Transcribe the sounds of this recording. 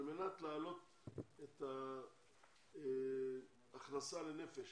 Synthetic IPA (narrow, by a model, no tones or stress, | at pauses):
lme̞nat̪laːlo̞t̪ | et̪a | χnasalene̞feʃ